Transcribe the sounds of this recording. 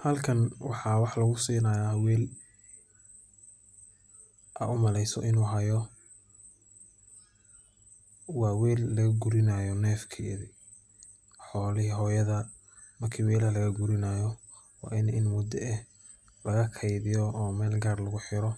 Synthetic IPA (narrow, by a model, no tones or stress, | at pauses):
hɐlkʰɐnwɑħɑwɑħlɐɣʊsiːnɐjawɛːl | ʔɐ̰ʔʊmɐlɛjsɔ̰ʔɪnuːɦɐjɔ | wɑːwɛːlːɐɣɐɡʊɾɪnajɔnɛːfkʰi | ħɔːlɪɦɔːjɐðɐ | mɐrkʰiːwɛːlɐlɐɣɐɡʊɾɪnaːjɔ | wɑ̰ːʔɪnʔɪnmʊd̪ɛʔɛ | lɐɣɐkʰɐjðɪjɔɔːmɛːlɡaːrlɐɣʊħɪɾɔ